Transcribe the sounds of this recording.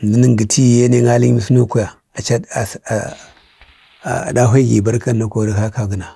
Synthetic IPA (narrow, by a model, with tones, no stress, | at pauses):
ndi˨˦ni˦ŋɡi˨tʰi˦˨je˦ne˦ŋa˦li˦mi˨˦sno˦ku˦ja˨ | a˨t͡ʃa˦˨ | da˦ɦʷa˦ɡḭ˨ba˦ɾka˦nː˦a˦ko˦˨ɾa˦ha˦ka˦ɡə˨na˨